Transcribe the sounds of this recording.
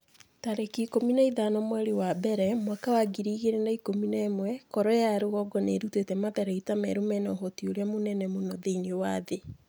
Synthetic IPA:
taɾekikominaiðanɔmwɛɾewabɛɾɛmwakawaɡiɾiɣeɾendaikominɛːmwɛkɔɾɔjaɾeɣɔɡɔneɾutetɛmaðɛɾaitamɛ̰ɾumɛnɔɦotioɾjamonɛnɛmonɔðeinewaðe

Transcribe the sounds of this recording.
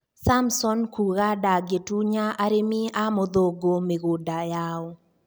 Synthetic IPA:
samsɔnkuɣadaɡetuɲaʔaɾemiamɔd̪oɡomeɡodajaɔ

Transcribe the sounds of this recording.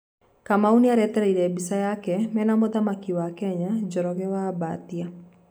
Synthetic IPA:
kamauniaɾɛtɛɾeiɾɛbisajakɛmɛnamoðamakiwakɛɲad͡ʒɔɾɔɣɛwaba̰t̪ia

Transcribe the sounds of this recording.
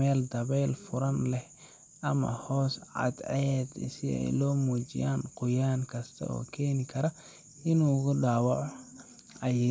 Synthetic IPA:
ɛːld̪ɐβɛjlfʊɾɐnlɛh | ʔɐmɐ̰hɔːsʕɑ̰d̪ʕɛd̪sɪɛ̰jlɔːmuːt͡ʃɪ̰jaːnqʊjaːŋkʰɐst̪ʰɐ̰ɔ̰ːkʰɛːnɪkʰɐɾɐ | ɪnuːʊɣʊɖaːwɑʕɔ | ɐj

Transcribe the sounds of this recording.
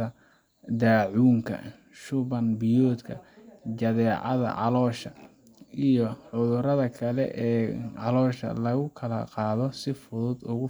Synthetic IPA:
ɐ | d̪aːʕuːŋkʰɐ̰ | ʃʊβɐnbɪjɔːd̪kʰɐ̰t͡ʃɐðɛːʕɑ̰ðɐ̰ʕɑ̰lɔːʃɐ | ijɔʕʊðʊɾɐðɐkʰɐlɛ̰ʔɛːʕɑlɔːʃɐ̰lɐɣʊkʰɐlɐqɑːðɔsɪfʊðʊd̪ʊɣʊ

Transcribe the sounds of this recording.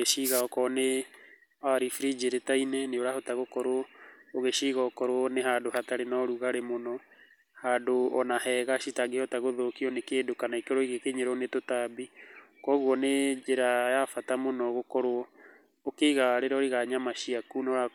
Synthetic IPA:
eʃiɣaɔkɔne | aɾifɾid͡ʒeɾetainɛneoɾahotaɣokɔɾoɔoɣeʃiɣaokɔɾwɔneɦaːdoɦataɾenɔɾuɣaɾemonɔ | hadoɔnahɛɣaʃitaɡehɔtaɣoðokiɔnekeːdokanaikeɾoiɣekeɲeɾɔnetotabikɔɣwɔned͡ʒeɾajafatamonɔɣokɔɾoɔ | okeɣaɾeɾaoɾiɣaɲamaʃiakunɔɾa

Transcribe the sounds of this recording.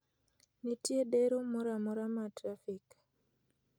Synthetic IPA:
nitjedeɾomɔɾamɔɾamatɾafik

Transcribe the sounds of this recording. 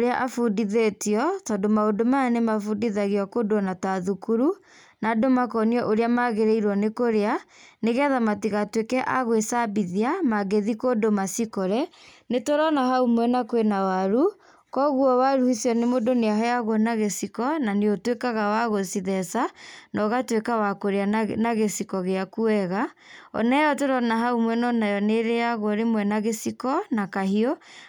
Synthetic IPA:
ɾeaʔafundiðetiɔtɔdomaodomanemafudiðaɣiɔkodoɔnatwaðukuɾu | nadomakɔniɔʔoɾeamaɣeɾeiɾwɔnekoɾeaneɣɛðamatiɣatwekɛʔa̰ɣwesabiðiamaɡeðikodomasikoɾɛnetoɾɔnaɦaumwɛnakwenawaɾu | kɔɣuɔwaɾuhisiɔnemodoneaɦɔjaɣwɔnaɣesikɔnaneotwekaɣawaɣosiðɛsanʔɔɣatwekawakoɾeanaɣesikɔɣeakuɛɣa | ɔ̰nɛjɔtoɾɔnaɦaumwɛnɔnajɔneɾeaɣwɔɾemwɛnaɣesikɔnakaɦiɔ

